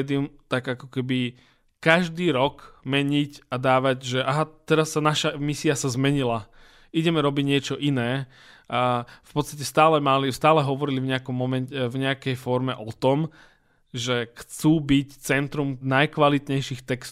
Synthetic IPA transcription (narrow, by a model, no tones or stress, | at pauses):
d̪iumt̪aɡakɔ̥kɛbi | kaʒd̪iːɾɔkmɛɲicad̪aːʋaɟʒɛʔaɦat̪ɛɾasːanaʃamisiasazmɛɲila | iɟɛmɛɾɔbiɟɲɪɛt͡ʃɔʔinɛː | afpɔt̪st̪acɛst̪aːlɛmalist̪aːlɛɦɔʋɔɾilivɲɛakɔmːɔmɛnɛvɲɛakɛjfɔɾmɛʔɔt̪ɔm | ʒɛxt͡suːbict͡sɛnt̪ɾumnajkʋalit̪ɲɛjʃixt̪ɛkst̪